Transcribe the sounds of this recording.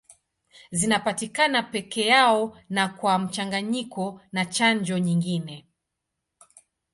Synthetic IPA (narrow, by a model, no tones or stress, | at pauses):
zinapatikanapɛkɛjaɔnakwam̩t͡ʃaŋɡaɲikɔnat͡ʃaɲd͡ʒɔɲiŋɡinɛ